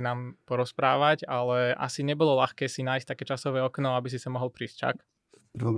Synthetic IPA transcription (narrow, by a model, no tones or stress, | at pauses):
naːmpɔɾɔspɾaːʋaɟalɛʔa̰siɲɛbɔlɔlaxkɛːsinaːjsc̚t̪akɛːt͡ʃasɔʋɛːɔknɔabis̬isamɔɦɔlˠpɾiːst͡ʃa̰k | prʋɔ